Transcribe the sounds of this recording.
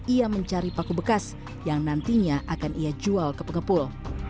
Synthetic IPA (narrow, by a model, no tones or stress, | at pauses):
iaməɲt͡ʃaɾipakubəkas | jaŋnant̪iɲaʔakaniad͡ʒualkəpəŋəpʊl